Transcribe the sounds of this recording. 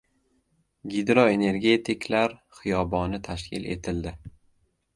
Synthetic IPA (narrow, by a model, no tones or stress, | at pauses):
ɡʲid̪ɾɒe̞ne̞ɾɡʲe̞t̪ʰɪkʰlaɾχɨjɒbɒnɪt̪ʰaʃkʲɪle̞̰t̪ʰɪld̪ɪ